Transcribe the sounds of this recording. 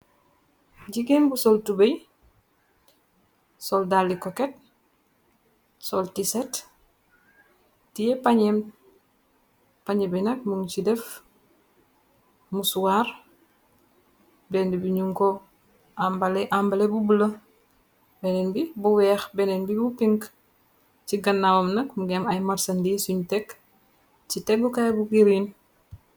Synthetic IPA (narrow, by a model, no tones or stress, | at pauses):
ɟiɡembusoltubej | soldalːikoket̚ | soltiset | tijepaɲem | paɲebinak̚muŋt͡ʃidef | musuwaːɾ | bɛndibiɲuŋko | ambaleʔambalebubulɐ | bɛnɛnbibuwɛːxbɛnɛnbibupiŋk | t͡ʃiɡɐnːawomnɐkmuɡɛmɐjmaɾsɐndisuɲtɛk | t͡ʃitɛbukajbuɡiɾin